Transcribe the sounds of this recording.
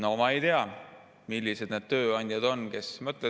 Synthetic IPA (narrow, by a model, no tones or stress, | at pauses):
noomɑejt̪e̞ɑ | milʲːise̞d̪̥ned̪̥t̪ø̞ːɑnʲd̪̥ʲjɑd̪̥o̞nke̞smɤt̪ˑle